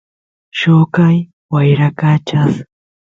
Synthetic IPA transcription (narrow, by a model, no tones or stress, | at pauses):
ʃokaj | wajɾakat͡ʃas